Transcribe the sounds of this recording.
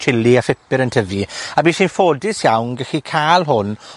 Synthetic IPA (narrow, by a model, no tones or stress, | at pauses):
tʰɪliafɪpɪɾəntʰəviabiːʃiːnfoːdɪsjawnɡəxikʰaːlˠɦʊn